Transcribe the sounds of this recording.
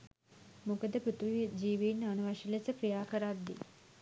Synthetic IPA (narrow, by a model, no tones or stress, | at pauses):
mukɐd̪ɐpɾut̪ʋid͡ʒiːʋiːnːanɐʋaʃilɐt͡sɐpɾijaːkɐɾaːt̪d̪ḭ